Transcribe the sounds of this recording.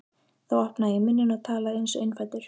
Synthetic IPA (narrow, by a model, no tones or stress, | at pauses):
θawahpnaɪmɪnːɪnaðt̪ʰaːlaejnsḛɥjnfajt̪ʏɾ̥